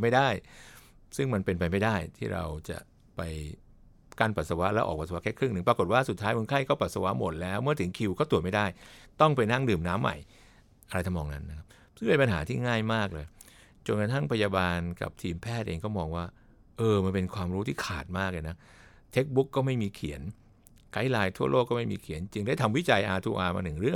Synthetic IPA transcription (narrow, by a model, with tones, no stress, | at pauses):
ma˥˩jdaː˥˩j | sɯ˥˩ŋma˧npe˧npa˧jma˥˩jdaː˥˩jt̪ʰiː˥˩ɾa̰˧wt͡ɕa̰˨˩ʔ | pa˧j | ka˥˩npa˨˩t̪̚sa˧wa˦˥ʔlɛː˦˥ʔɔ̰ː˨˩pa˨˩sa˧˦˥kʰɛː˦˥kʰɾɯ˥˩ŋnɯ˨˩ŋpɾaː˧ko˨˩t̪̚waː˥˩su˨˩t̪ʰːaː˦˥jmo˧nkʰa˥˩jkɔː˥˩pa˨˩t̪̚sa˧wa˦˥ʔmo˨˩t̪̚lɛː˦˥wmɯ˥˩ɐt̪ʰɯ˩˦ŋkʰi˧wkɔː˥˩t̪u˨˩ət̚ma˥˩jdaː˥˩jt̪ɔ˥˩ŋpe˧na˥˩ŋdɯː˨˩mnaː˦˥mːa̰˨˩j | ʔa˧ɾa˧t̪ʰa˧mɔː˧ŋna˦˥nːa˦˥kʰa˦˥p̚sɯ˥˩ŋpe˧npa˧nɦaː˩˦t̪ʰiː˥˩ŋaː˥˩jmaː˥˩k̚lɤː˧j | t͡ɕo˧nka˧t̪ʰa˥˩ŋpʰa˧jaː˧baː˧nka̰˨˩p̚t̪ʰiː˧mpʰɛː˥˩t̪̚ʔḛː˧ŋkɔː˥˩mɔː˧ŋwaː˥˩ | ʔɤː˧ma˧npe˧nkʰwaː˧mɾuː˦˥t̪ʰiː˥˩kʰa̰ː˨˩t̪̚maː˥˩k̚lɤː˧na˦˥ | t̪ʰe˦˥k̚bu˦˥kːɔː˥˩ma˥˩jmiː˧kʰḭ˩˦ən | ka˦˥jlaː˧jt̪ʰu˥˩ɐlʔo˥˩kːɔː˥˩ma˥˩jmiː˧kʰi˨˩˦nt͡ɕi˧ŋdaː˥˩jt̪ʰa˧mwi˦˥t͡ɕa˧jʔaː˧t̪ʰuː˧˩ʔaː˧ma̰˧nɯ˨˩ŋɾɯ˥˩ə˨ŋ